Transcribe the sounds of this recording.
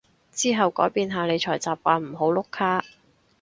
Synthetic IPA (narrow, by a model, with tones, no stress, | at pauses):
t͡siː˥ɦɐ˨wkɔː˨˥jpiː˨˧nɦaː˨˧ne˨˧jt͡ʃʰɔː˨˩jt͡saː˨p̚kʷaː˨˧nm̩˨˩ɦo˨˥wlʊ˥kʰːaː˥